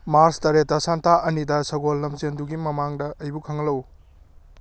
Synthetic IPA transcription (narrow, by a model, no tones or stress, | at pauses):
maɾstɐɾet̚ːɐsantaʔɐnidɐsɐɡolːɐmzenduɡimɐmaŋdɐʔɐjbukʰɐŋɐlɐw